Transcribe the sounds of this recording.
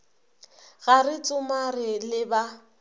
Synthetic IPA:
ɣarɪt͡sʼʊmarɪlɪba

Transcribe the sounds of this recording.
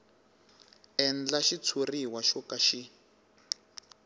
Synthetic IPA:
ɛnd͡ɮaʃit͡sʰuriwaʃɔkaʃi

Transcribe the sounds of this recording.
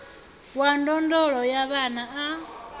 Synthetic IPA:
wandondolojaβanaʔa

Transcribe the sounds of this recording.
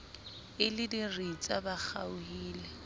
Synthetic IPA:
ɪlɪdirit͡sʼabak͡xʰa̰ʊhiːlɛ

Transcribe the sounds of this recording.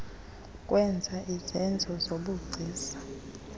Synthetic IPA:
kʼwɛnd͡zʱaʔizɛnd͡zʱɔzoɓuɡ͡ǀʱiːsḁ

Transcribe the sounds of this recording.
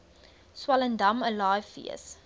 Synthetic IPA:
swɐləndɐməlɑːjfḭə̰s

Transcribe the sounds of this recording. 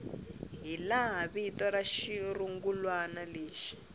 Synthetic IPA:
ɦilaɦaβiitɔɾaʃiruŋɡulwanaleːʃi̥

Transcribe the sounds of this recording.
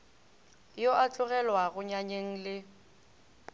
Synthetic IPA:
joʔat͡ɬʊɣɛlwaɣʊɲaɲeŋ̩lɪ

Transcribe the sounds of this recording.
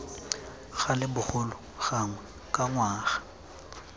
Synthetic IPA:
ɣalɪbʊχʊlʊ | ɣaŋwɛ | kʼaŋwaːɣḁ

